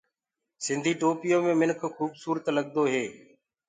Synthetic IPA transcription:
sɪ̃nd̪ʱiːʈoːpɪjoːmẽːmɪnkʰxuːbsuːɾət̪ləɠd̪oːɦeː

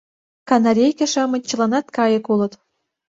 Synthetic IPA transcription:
kɑnɑɾʲejkʲĕʃɑmɤ̆t͡ɕɤ̆lɑnɑt̪kɑjɤ̆kulɤ̆t̪

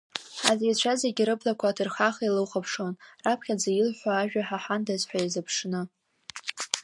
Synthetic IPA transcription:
ħa̰zit͡ɕʷʰazeɡʲɪɾɨblakʷʰaːtʰɨrχaχailɨwχapʰʂo̞nrapʰχʲad͡zajɪlħʷaːʒᶣaħaħandazħʷᶣaizɨpʰʂnɨ

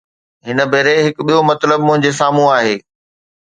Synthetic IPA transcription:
ɦɪnə̆bʱeːɾeɦɪkɓijomɐt̪ləbmʊ̃ɦɪ̃ɲd͡ʑesaːmũaːɦeː

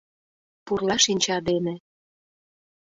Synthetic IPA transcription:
purlɑʃinʲt͡ɕɑd̪enĕ

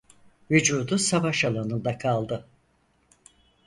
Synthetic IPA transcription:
vyd͡ʒuːd̪usavaʃalˠanɯnd̪akʰalˠd̪ɯ

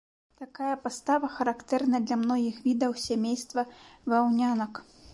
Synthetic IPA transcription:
t̪akajɐpast̪avɐxɐɾakt̪ɛrnɐd̪lʲamnɔɣʲixvʲid̪ɐwsʲamʲejst̪vɐvɨawnʲanɐk

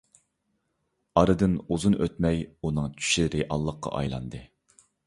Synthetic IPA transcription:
ɑɾɨd̪ɨnuzunʔøt̪mɛjunɨŋt͡ʃʰy̥ʃiɾeʔɑlˠːəqːɑ̰ʔɑ̰jlˠɑ̰nd̪ɨ

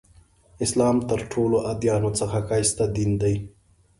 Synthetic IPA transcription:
ɪslɑːmt̪əɾʈʰoloʔad̪jɑːnot͡səxakɑjst̪ad̪ind̪aj

